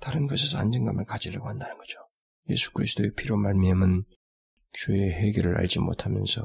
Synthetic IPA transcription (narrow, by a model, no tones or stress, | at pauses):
taɾɯnɡʌsʰesʰʌa̰nd͡ʑenɡamɯɭkad͡ʑiljaɡohandanɯnɡ̥ʌd͡ʑo | je̞̰sʰu̥kʰɯɾisʰɯd̥oepʰiɾjomaɭmiamɯn | t͡ɕueɦeɡeɾɯɾa̰ɭd͡ʑimo̰tʰamjʌnsʰʌ